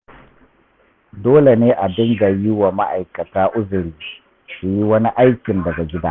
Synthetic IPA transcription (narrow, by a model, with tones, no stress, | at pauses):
doː˦le˨neː˦ʔa˨bɪ˦ŋɡa˨jɪ˦wa˨ma˦ʔa˨jkɐ˨taː˦ʔʊ˦zʊ˨ɽiː˨ | su˨ji˦wɐ˦ni˦ʔa˦jkʲɪ˨ndɐ˨ɡa˨ɡʲɪ˦daː˦